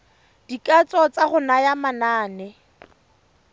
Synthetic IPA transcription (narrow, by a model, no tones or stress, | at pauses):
d̥ikʼat͡sɔt͡saχʊnajamanaːnɛ